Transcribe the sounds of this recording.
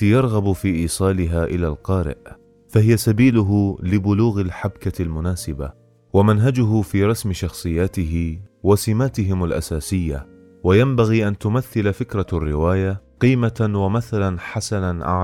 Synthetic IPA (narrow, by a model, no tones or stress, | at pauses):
jɑɾˤɣɑbfiːʔiːsˤɑːlɪɦaːʔɪlaːlqɑːɾɪ̰ʔ | fahɪjasabiːlʊɦʊlɪbʊluːɣalħabkalmʊnaːsɪba̰ | wamanɦad͡ʒʊɦʊfiːɾˤɑsmɪʃɑxsˤɨjːaːt̪ɪɦɪwasɪmaːt̪ɪɦɪmalʔa̰saːsɪjːa | wajambaɣiːʔant̪ʊmaθːɪlafɪkɾˤɑrːɪwaːjaqiːmawamaθalanħasananʔa̰ʕ